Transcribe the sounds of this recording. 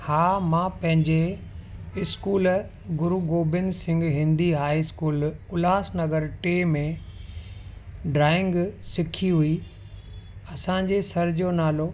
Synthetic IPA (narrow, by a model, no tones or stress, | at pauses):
haːmãːpɐ̃ɦɪ̃ɲd͡ʑe | ɪskuːl | ɡʊɾuɡoːbɪnsɪ̃ŋɡɦɪ̃nd̪iɦaːiskuːlkʊlaːsnɐɡəɾʈeːmẽ | ɖɾaːɪ̃ŋɡsɪkʰiɦui | ɐsãd͡ʑesɐɾd͡ʑoːnaːlo